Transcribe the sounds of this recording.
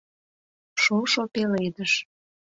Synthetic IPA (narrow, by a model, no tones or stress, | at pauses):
ʃoʃopelejd̪əʃ